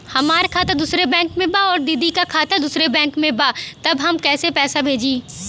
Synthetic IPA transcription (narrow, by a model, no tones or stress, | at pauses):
hɐmaːɾkʰaːt̪ad̪uːsɾebɛ̃ːŋkmẽbaɔːɾd̪id̪ʱikakʰaːt̪ad̪uːsɾebɛ̃ːŋkmẽbat̪ɐbɦɐmkɛːsepɛːsabʱeːd͡ʒiː